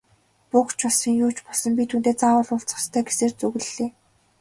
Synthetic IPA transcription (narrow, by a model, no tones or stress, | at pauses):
pukt͡ɕɔɮsĭŋjʊːt͡ɕpɔɮsɞ̆mpʲit̪ʰuːnt̪eːt͡sawə̆ːɮʊft͡sɔ̥̆st̪ʰœːɡeseːrt͡sɵɣɘ̆ɮeː